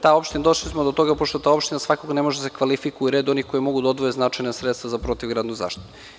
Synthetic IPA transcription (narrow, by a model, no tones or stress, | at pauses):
t̪ao̞pʃt̪inad̪oʃlismod̪ot̪o̞ɡapoʃt̪ot̪aːo̞pʃt̪inasʋakoɡnemo̞ʒed̪asekʋalifikuuɾeːd̪o̞niko̞jemo̞ɡud̪aod̪vʋojeznat͡ʃajnasɾet̪st̪vazapɾot̪iʋɡɾaːd̪nuza̰ːʃt̪it̪u